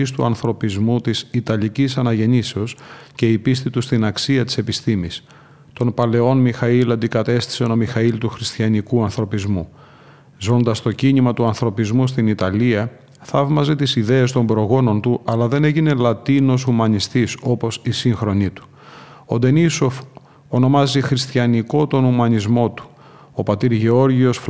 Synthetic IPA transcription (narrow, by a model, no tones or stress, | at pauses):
ist̪uɐnθɾo̞pizmut̪isit̪ɐlicisɐnɐʝe̞niseosce̞ipist̪it̪ust̪inɐksiɐt̪i̥se̞pist̪imis | t̪o̞npɐle̞o̞nmixɐilɐnd̪ikɐt̪e̞st̪i̥seno̞mixɐilt̪uxɾist̪çɐnikuɐnθɾo̞pizmu | zo̞nd̪ɐst̪o̞ciɲimɐt̪uɐnθɾo̞pizmust̪init̪ɐliɐ | θɐvmɐze̞t̪isiðe̞est̪o̞mbɾo̞ɣo̞no̞nt̪uʔɐlɐðe̞ne̞ʝine̞lɐt̪ino̞sumɐnist̪iso̞po̞sisiŋxɾo̞nit̪u̥ | o̞d̪e̞niso̞f | ono̞mɐzixɾist̪çɐniko̞t̪o̞numɐɲizmo̞t̪u̥ | o̞pɐt̪iɾʝe̞o̞ɾʝio̞sf